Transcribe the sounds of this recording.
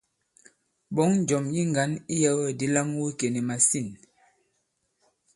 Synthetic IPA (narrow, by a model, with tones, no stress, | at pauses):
bɔ˨˦ŋn˦d͡ʒɔ˨mji˦ŋɡa˨˦ni˦jɛ˦wɛ˦˨di˦la˦ŋ˦wi˦ke˨ni˨ma˨si˦˨n